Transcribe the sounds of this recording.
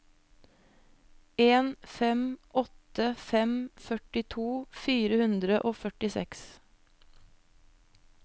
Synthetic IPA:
eːnfɛmʔɔt̪əfɛmfœʈɪt̪ʰuːfiːɾəhʉnd̪ɾəʔoːfœʈɪsɛ̰ks

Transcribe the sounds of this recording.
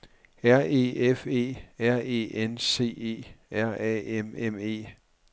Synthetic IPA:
æɐ̰e̝̰ːefe̝̰ːæɐ̰e̝̰ːʔense̝̰ːe̝̰ːæɐ̰ɛ̰ememe̝̰ː

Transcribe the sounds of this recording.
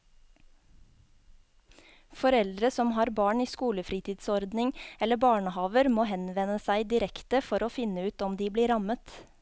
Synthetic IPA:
fɔɾɛld̪ɾəsɔmɦɑːɾbɑːɳiːskuːləfɾiːt̪ʰiːd̪sɔɾd̪nɪŋɛləbɑːɳəhɑːʋəɾmoːɦɛnʋɛnəsæɪd̪ɪɾɛkt̪əfɔɾoːfɪnəʉːt̪ɔmd̪iːbliːɾɑmət̪

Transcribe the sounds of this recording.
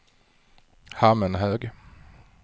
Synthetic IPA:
hamənɦøːɡ

